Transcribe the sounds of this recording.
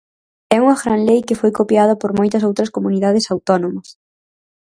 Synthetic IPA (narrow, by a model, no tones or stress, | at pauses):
ɛuŋɐɣɾanlejkɪfojkopjað̞ɐpoɾmojt̪ɐsowt̪ɾɐskomuniðað̞ɪsawt̪ɔnõmɐs